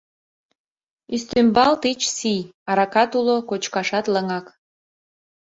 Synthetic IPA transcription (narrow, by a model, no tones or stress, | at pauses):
yst̪ymbɑlt̪it͡ɕsijɑɾɑkɑt̪ulokot͡ɕkɑʃɑt̪ləŋɑk